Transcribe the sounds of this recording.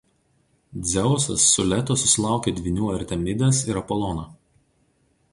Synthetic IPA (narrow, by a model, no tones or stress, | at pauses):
d̪zʲɛʊsɐ̰sːʊlʲɛt̪osʊsʲɪlˠɑˑʊkʲeːd̪ʲʋʲɪnʲuːɐɾʲt̪ʲɛmʲɪd̪ʲɛsɪɾɐpɔlˠɔːnoː